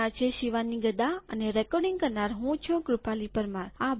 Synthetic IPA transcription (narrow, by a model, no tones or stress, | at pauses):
at͡ʃʰeʃiʋaniɡəd̪aə̰neɾɛkɔɖɪ̃ŋɡ̚kəɾnaɾɦũt͡ʃʰuɡɾupalipəɾmaɾa